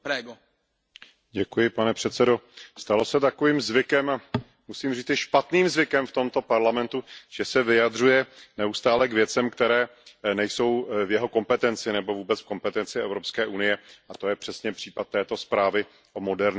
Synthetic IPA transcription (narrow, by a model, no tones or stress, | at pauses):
pɛɡo | ɟɛkujɪpanɛpr̥ɛt̪sɛdo̞st̪alo̞sɛt̪ako̞viːmzvɪkɛma | musiːmriːt͡sɪʃpat̪niːmzvɪkɛmft̪o̞mt̪o̞paɾlamɛnt̪uʒ̥ɛsɛvɪjad̪r̝ujɛnɛust̪aːlɛɡvjɛt͡sɛmkt̪ɛɾɛːnɛjso̞wvjɛɦo̞ko̞mpɛt̪ɛnt͡sɪnɛbo̞vuːbɛt͡sfko̞mpɛt̪ɛnt͡sɪɛ̰vɾopskɛːʔunɪjɛʔat̪o̞jɛpr̝̥ɛsɲɛpr̥iːpat̪̚ːɛːt̪o̞spɾaːvɪ | ʔo̞mo̞dɛɾɲ